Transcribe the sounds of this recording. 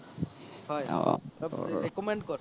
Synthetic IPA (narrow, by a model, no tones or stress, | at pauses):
hɔja̰ɾekɔmeɳɖkɔɾ